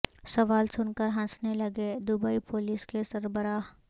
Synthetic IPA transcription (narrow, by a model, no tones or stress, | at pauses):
sɐʋaːlsʊnkəɾɦãsnelɐɡed̪ʊbəipoːlɪskesɐɾbəɾaːɦ